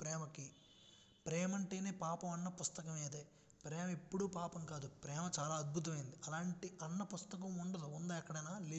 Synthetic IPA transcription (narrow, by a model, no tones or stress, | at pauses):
pɾɛːmɐki | pɾɛːmɐɳʈe̞ːne̞ːpaːpɐmɐnːɐpust̪ɐkɐmeːd̪eː | pɾɛːmɐipːuɽupaːpɐmkaːd̪upɾɛːmɐt͡ʃaːlaːɐd̪̚bʱut̪̬ɐmɐjind̪iʔɐlaːɳʈiʔɐnːɐpust̪ɐkɐmuɳɖɐd̪uund̪ɐːjɐkːɐɽɐjnaːliː